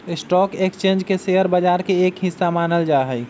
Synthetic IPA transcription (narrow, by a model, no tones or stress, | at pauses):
sʈɔkekst͡ʃẽnd͡ʒkeseəɾbəd͡ʒaɾkeekɦisːamanəld͡ʒaɦəɪ